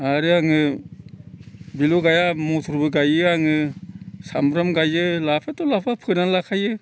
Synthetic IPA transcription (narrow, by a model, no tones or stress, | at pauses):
aɾɯaŋɯ | biluɡajamɔtʰuɾbɯɡajɯaŋɯsamɾɔmɡajɯlapʰatɔlapʰapʰɯnalakʰajɯ